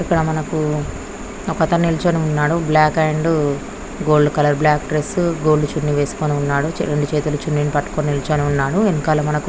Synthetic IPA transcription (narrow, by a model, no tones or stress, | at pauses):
ikːɐɽɐmɐnɐku | ɔkɐt̪ɐnilit͡ʃoːneunːaːɽublaːkeːɳɖ | ɡoːɭɖukɐlɐɾblaːkʈɾesɡo̞ːlːut͡ʃunːiʋe̞ːsu̥koːneunːaːɽut͡ʃɛ̰ɾeɳɖit͡ʃeːt̪̬ulut͡ʃunːinpɐʈːu̥koːnilit͡ʃoːneunːaːɽuenikaːlɐmɐnɐk